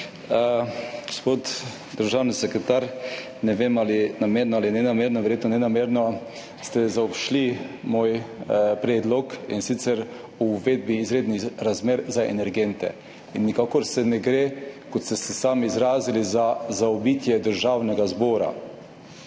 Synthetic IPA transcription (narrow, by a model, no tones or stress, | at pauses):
ɡospot̪ | d̪əɾʒawnisɛkɾɛt̪aɾ | nɛʋeːmalinameːɾnɔalinɛnameːɾnɔʋɛɾjeːt̪nɔnɛnameːɾnɔ | st̪ɛzaɔpʃlimoːjpɾɛːd̪lɔkḭnsit̪sɛɾ | uːʋed̪̚biːzɾeːd̪niɾazmeːɾzaḛnɛɾɡɛnt̪ɛ̰ | inːikaːkɔɾsɛnɛɡɾekɔt̪st̪ɛst̪ɛsaːmiːzɾaːzilizazaɔbit̪jɛd̪əɾʒaːwnɛɡazboːɾa̰